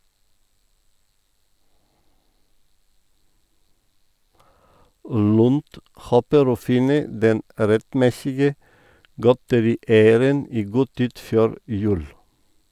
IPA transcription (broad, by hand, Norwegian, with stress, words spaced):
ˈlʉnd ˈhoːpəɾ ˈoː ˈfɪnə ˈdɛn ɾɛtˈmɛsɪɡə ˈɡɔtəɾiːˌæɪəɾən ˈiː ˈɡuː ˈtiːd ˈføːɾ ˈjʉːl